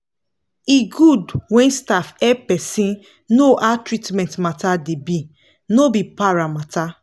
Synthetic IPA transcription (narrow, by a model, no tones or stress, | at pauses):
iɡudwɛ̃nstafɛpɛsĩn | noʔatɹitmɛ̃ntmatadebi | nobipaɹamata